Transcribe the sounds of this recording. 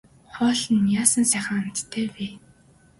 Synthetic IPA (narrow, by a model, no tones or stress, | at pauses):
χɔːɮə̆njaːsə̆nsæːχə̆ŋan̥t̪t̪ʰːeːpeː